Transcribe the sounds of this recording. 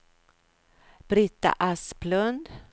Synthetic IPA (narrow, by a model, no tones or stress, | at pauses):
b̥ɾɪt̪ːa̰ʔaspʰlɵnd̪